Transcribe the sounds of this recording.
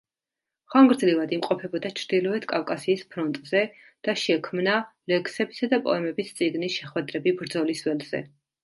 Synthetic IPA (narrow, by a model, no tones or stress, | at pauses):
χaŋɡɾd̪zlivad̪imqʼɔpʰɛbɔd̪at͡ʃʰɾd̪ilɔɛt̪ʰkʼafkʼasiːspʰɾɔnt̪ʼz̥ɛ | d̪̥aʃɛkʰmnalɛkʰsɛbisad̪apʼɔ̰ɛmɛbist̪sʼiɡnisʃɛχwɛd̪ɾɛbibɾd̪zɔlisvɛlz̥ɛ̰